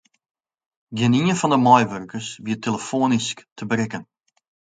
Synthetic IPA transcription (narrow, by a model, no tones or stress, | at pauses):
ɡɪəniənfɔndəmɔjʋørkəsʋiəteləfoːnisktʰəbəɾɪkən